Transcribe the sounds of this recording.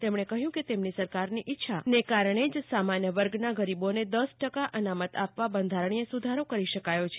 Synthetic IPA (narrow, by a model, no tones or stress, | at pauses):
t̪emɳ̃ekəɦjũket̪emnisəɾkaɾniʔɪtːʃʰanekaɾəɳ̃ed͡ʒsamanjəʋəɾɡnaɡəɾiboned̪əsʈəkaʔənamət̪apʋabənd̪ʱaɾəɳ̃iesud̪ʱaɾokəɾiʃəkajot͡ʃʰe